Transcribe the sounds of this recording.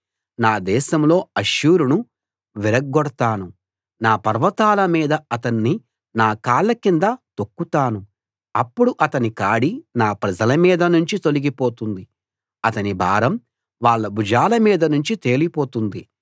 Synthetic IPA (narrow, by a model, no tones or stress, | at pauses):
naːd̪ɛːʃɐmlo̞ːɐʃjuːɾunu | ʋiɾɐɡːɔɽɐt̪aːnu | naːpɐɾʋɐt̪aːlɐmiːd̪ɐɐt̪ɐnːi | naːkaːɭːɐkind̪ɐt̪okːut̪aːnu | ɐpːuɽuʔɐt̪ɐnikaːɽinaːpɾɐd͡ʒɐlɐmiːd̪ɐnuɲt͡ʃit̪o̞liɡipo̞ːt̪und̪i | ɐt̪ɐnibʱa̰ːɾɐm | ʋaːɭːɐbud͡ʒaːlɐmiːd̪ɐnuɲt͡ʃit̪e̞ːlipo̞ːt̪und̪i